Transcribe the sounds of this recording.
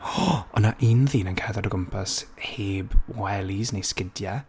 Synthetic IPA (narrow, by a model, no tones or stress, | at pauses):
ɔɔnaʔinðiːnənkʰɛðadəɡəmpʰasheːbwɛlˠiznejskɪdja